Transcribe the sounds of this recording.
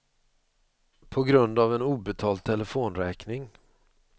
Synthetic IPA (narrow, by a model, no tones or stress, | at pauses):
pʰɔɡɾɵnd̪avɛnuːbɛt̪ʰɑːld̪t̪ʰːɛləfoːnɾɛːknɪŋ